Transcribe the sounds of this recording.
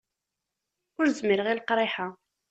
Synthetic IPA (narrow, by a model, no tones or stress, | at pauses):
ʊɾzmiɾəʁilqɾˤeħa